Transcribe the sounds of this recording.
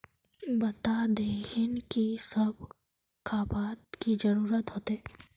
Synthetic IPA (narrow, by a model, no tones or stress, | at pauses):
bɐt̪ad̪eːhɪnkisɐb̚ʱ | kaːpaːt̪kid͡ʒɐɾuːɾət̪ɦoːt̪eː